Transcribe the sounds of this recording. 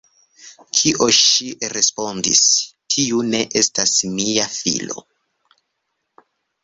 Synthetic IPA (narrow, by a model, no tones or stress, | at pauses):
kʰiʔo̞ʃiɾe̞spo̞ndḭstʰiune̞ʔe̞stasmijafḭlo̞̰